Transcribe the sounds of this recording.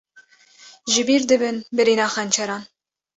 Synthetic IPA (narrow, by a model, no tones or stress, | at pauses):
ʒɨbiːɾd̪ɨbɨnbɨɾinɑːχɛnt͡ʃʰɛɾɑn